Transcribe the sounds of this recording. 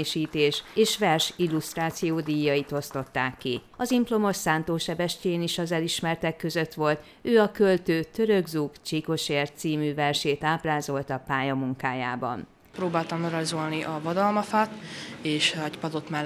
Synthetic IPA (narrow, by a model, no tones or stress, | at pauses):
ʃiːt̪eːʃeːʃʋɛrʃilːust̪raːt̪sijoːd̪iːjːɒit̪o̞st̪o̞t̪ːaːkːi | ɒzimplo̞mo̞ʃsaːnt̪oːʃɛbɛʃceːniʃɒzɛliʃmɛrt̪ɛkːø̞zø̞t̪ʋo̞lt̪ | øːɒkø̞lt̪øːt̪ø̞ɾøɡzukt͡ʃiko̞ʃeːrt̪siːmyːvɛrʃeːt̪aːpraːzo̞lt̪ɒpaːjɒmuŋkaːja̰ːbɒ̰n | proːbaːlt̪ɒmøɾɒzo̞lniʔɒvɒd̪ɒlmɒfaːt̪eːʃɛcpɒd̪ot̪mɛ